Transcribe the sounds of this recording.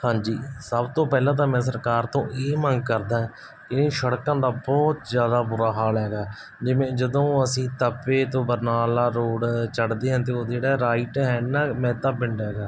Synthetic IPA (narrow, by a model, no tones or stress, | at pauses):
hãːɲd͡ʒḭːsəbt̪õːpɛːlãːt̪̬aːmɛ̃ːsəɾkaːɾt̪õ̰ːʔeːməŋɡ̚kəɾd̪ãːɦɛ̃ː | kɪ̃ːʃəɽkãːd̪aːbɔːt̪zjaːd̪aːbuːɾaːɦaːlɦɛːɡaː | d͡ʒɪʋẽːd͡ʒəd̪õːəsĩːt̪əpːeːt̪õːbəɾnaːlaːɾoːɽt͡ʃəɽd̪eːɦãːt̪̬eːoːd͡ʒeːɽaːɾaːiʈɦɛːnãːmɛ̃ːt̪aːpɪɳɖɛːɡaː